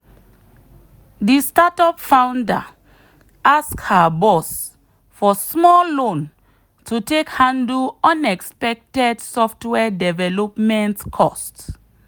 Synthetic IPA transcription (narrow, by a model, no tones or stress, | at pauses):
distatɔpfãwnda̰ | askhabɔs | fɔsmɔllõn | tʰutekhãnduɔ̃nɛkspɛk̚tɛdsɔftwɛdɛvɛlɔpmɛ̃ntkʰɔst